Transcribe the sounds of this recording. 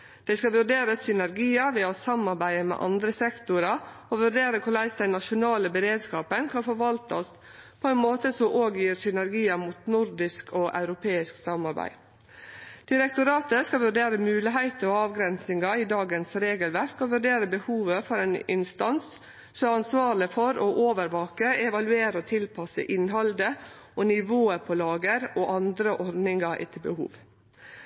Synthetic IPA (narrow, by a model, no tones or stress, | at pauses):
d̪̥ɛɪskɑʋʉɖeːɾəsʏnæɾɡiːɑʋɛɔsɑmɑɾbæɪəmɛ̰ːʔɑnd̪ɾəsɛkt̪ʊɾɑ | oʋʉɖeːɾəkʰʊɭæɪsd̪ɛnɑʂʊnɑːləbəɾeːd̪skɑːpənkʰɑnfɔɾʋɑlt̪ɔs | pʰɔɛnmoːt̪əsɔmʔoːɡjiːɾsʏnæɾɡiːəmuːt̪nʊɾd̪ɪskʰoːʔɑ̰ʉɾʊpʰeːɪsksɑmɑɾbæ̰ɪ | d̪̥ɪɾɛk̚t̪ʊɾɑːt̪əskɑʋʉɾɖ̪eːɾəmʉːlɪɦæɪt̪əɔɑːʋɡɾɛnsɪŋɑid̪ɑːɡənsɾeːɡəlʋæɾkɔʋʉɾɖeːɾəbəhuːʋəfɔɾæːnɪ̰nst̪ɑns | sɔmɑnsʋɑːɾlɪfɔɾoʔoːʋəɾʋɑːkəɛʋɑlʉeːɾəɔt̪ʰɪlpʰɑsə̰ʔɪnɦɑld̪əʔonɪʋoːəpʰɔlɑːɡəɾoːʔɑnd̪ɾəʔɔɾdnɪŋɑʔɛ̰t̪ʰəbəhṵːʋ